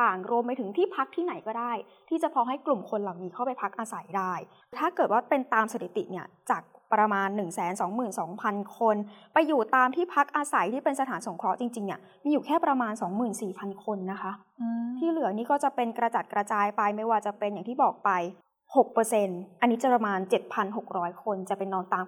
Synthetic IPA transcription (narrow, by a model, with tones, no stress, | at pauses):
aː˨˩ŋɾu˧əmpa˧jt̪ʰɯ˩˦ŋt̪ʰiː˥˩pʰa˦˥k̚t̪ʰiː˥˩na˨˩˦jkɔː˥˩daː˥˩j | t̪ʰiː˥˩t͡ɕa˨˩pʰɔː˧ɦa˥˩jklu˨˩mkʰo˧nlaː˨˩wniː˦˥kʰa˥˩pa˧jpʰa˦˥k̚ʔaː˧sa˩˦jdaː˥˩j | t̪ʰaː˥˩kɤː˨˩t̪̚waː˥˩pe˧nt̪aː˧mse˧˦˩t̪ʰi˨˩t̪ḭ˨˩ni˥˩ɐt͡ɕaː˨˩k̚pɾa˧maː˧nːɯ˨˩ŋsɛː˩˦nsɔː˩˦ŋmɯː˨˩nsɔː˩˦ŋpʰa˧nkʰo˧npa˧jːuː˨˩t̪aː˧mt̪ʰiː˥˩pʰa˦˥k̚ʔaː˧sa˨˩˦jt̪ʰiː˥˩pe˧nsa˧t̪ʰaː˩˦nso˨˩˦ŋkʰɾɔ˦˥t͡ɕi˧ŋt͡ɕi˧ŋni˦˥˩ɐ | miː˧juː˨˩kʰɛː˥˩pɾa˧maː˧nsɔː˩˦ŋmɯː˨˩nsiː˨˩pʰa˧nkʰo˧nːa˦˥kʰa˦˥ʔ | t̪ʰiː˥˩lɯ˩˦ɐniː˦˥kɔː˥˩t͡ɕa˨˩pe˧nkɾa˧t͡ɕa˨˩t̪̚kɾa˧t͡ɕaː˧jpa˧jma˥˩jwaː˧t͡ɕa˨˩pe˧njaː˨˩ŋt̪ʰiː˥˩bɔː˨˩k̚pa˧j | ho˨˩k̚pɤː˧se˧nʔa˧nːiː˦˥t͡ɕa˨˩pɾa˧maː˧nt͡ɕe˨˩t̪̚pʰa˧nɦo˨˩k̚ɾɔː˦˥jkʰo˧nt͡ɕa˨˩pe˧nːɔː˦˧˥ŋt̪aː˧m